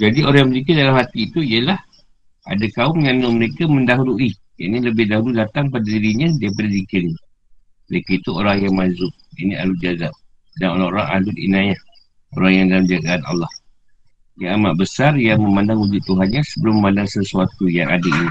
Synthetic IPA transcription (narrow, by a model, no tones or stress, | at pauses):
d͡ʒadioɾaŋjaməzikədalamhat̪iːt̪uijəlah | a̰dakaʊmjanːʊməɾekamə̃ndaɦuɾuʔi | ja̰ʔniləbɪhdaɦuludat̪aŋpadadiɾiɲãdaip̬adazikərni | məɾekait̪uoɾaŋjaŋmazʊk̚inia̰lud͡ʒazap̚ | danoɾaŋoɾaŋa̰lʊt̪̚ḭnajah | o̰ɾaŋjaŋdalamd͡ʒaɡaʔanɑ̰lːɑh | jaamaʔ̚bəsarjaŋməmandaŋwud͡ʒʊd̪̚t̪ːuɦanɲãsəbəlʊməmandaŋsəsuat̪ujaŋa̰daini